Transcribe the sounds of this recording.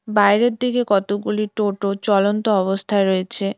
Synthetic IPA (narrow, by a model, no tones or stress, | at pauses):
bajɾeɾd̪ikekɔt̪oɡuliʈoʈot͡ɕɔlont̪oɔβost̪ʰaeɾoet͡ɕʰe